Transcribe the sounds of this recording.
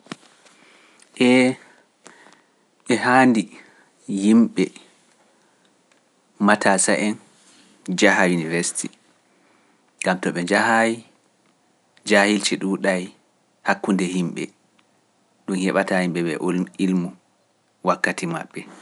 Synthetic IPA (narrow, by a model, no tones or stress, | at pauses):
ʔɛ | ɓɛhandi | jimɓɛ | matʰasaʔɛn | d͡ʒaɦajuniveɾsi̥tʰi | ɡamtɔɓɛd͡ʒahaji | d͡ʒahilt͡ʃɛɗuɗaj | hakːundɛhimɓɛ̰ | ɗunhɛɓatahimɓɛbɛʔilmu | wakːatima̰ɓːɛ